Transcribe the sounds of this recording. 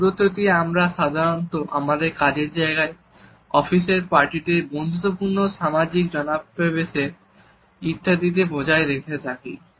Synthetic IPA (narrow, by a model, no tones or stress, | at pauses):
ɾot̪ot̪ieamɾaʃad̪ʱaɾont̪oʔamad̪eɾkad͡ʑeɾd͡ʑaeɡae | ɔfiʃeɾpaɾʈiʈebɔnt̪ːopuɾnoʃamad͡ʑik̚d͡ʑɔnapɾebeʃeɾ | it̪ʰːad̪it̪̬ebod͡ʑaeɾekʰet̪ʰakḭ